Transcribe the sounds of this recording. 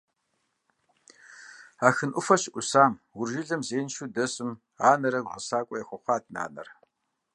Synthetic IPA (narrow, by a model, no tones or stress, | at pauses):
aːxɨnʔʷʊfɐɕʔʷʊsaːmwʊrʒɪɮɐmzeːnʃuːdɐsɨm | aːnɐɾɐʁɐ̰saːkʷʼɔjɛxʷɔχʷɑːdna̰ːnɐ̰r